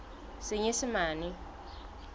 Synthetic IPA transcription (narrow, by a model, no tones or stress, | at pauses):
sɪɲesimaːni